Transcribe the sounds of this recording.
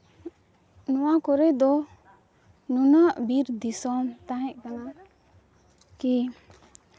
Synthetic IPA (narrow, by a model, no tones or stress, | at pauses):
nɔwakɔɾɛjd̪ɔ | nunaʔbiɾd̪isɔmt̪aɦɛc̚kana | ki